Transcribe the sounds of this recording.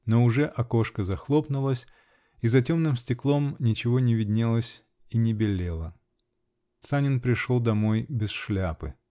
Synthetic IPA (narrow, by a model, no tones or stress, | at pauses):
noʊʐɛʔɐko̞ʂkəzɐxlˠo̞pnʊlˠəsʲ | izɐtʲo̞mnɨmsʲtʲɪklˠo̞mnʲɪt͡ɕɪvonʲɪvʲɪdʲnʲelˠəsʲ | inʲɪbʲɪlʲelˠə | t̪sanʲɪnpɾʲɪʂolˠd̪ɐmo̞jbʲɪsʂlʲapɨ